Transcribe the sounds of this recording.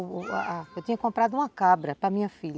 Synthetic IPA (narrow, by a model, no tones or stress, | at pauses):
a̰aewt̪ĩɲɐkkõmpɾad̪ʊũmɐkabɾɐpɾɐmĩɲɐfiʎ